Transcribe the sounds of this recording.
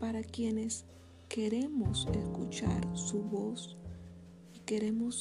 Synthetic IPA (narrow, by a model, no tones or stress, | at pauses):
paɾakjene̞s | ke̞ɾe̞moseskut͡ʃa̰ɾsuβos | ike̞ɾe̞mos